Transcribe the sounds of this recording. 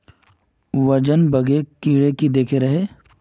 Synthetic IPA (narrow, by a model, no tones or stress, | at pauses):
ʋɐd͡ʒənbɐɡekiːɽekid̪eːkʰeɾɐɦeː